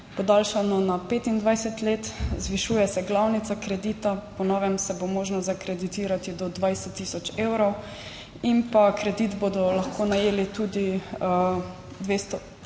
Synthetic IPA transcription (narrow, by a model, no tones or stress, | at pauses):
pɔd̪alʃanɔnapeːt̪ind̪ʋajsɛt̪leːt̪zʋiʃuːjɛsɛɡlawnit̪sakɾɛd̪iːt̪apɔnɔːʋɛmsɛbomoːʒnɔzakɾɛd̪it̪iːɾat̪id̪ɔd̪ʋajsɛt̪ːiːsɔt͡ʃewɾɔw | impakɾɛd̪it̪boːd̪ɔlaxkʰoːnajeːlit̪uːd̪i | d̪ʋeːst̪ɔ